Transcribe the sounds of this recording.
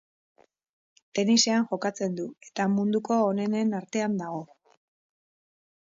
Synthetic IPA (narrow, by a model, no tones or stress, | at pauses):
t̪e̞nise̞anʝo̞kat͡se̞nd̪ue̞t̪amund̪uko̞ːne̞ne̞naɾt̪e̞and̪aɣ̞o̞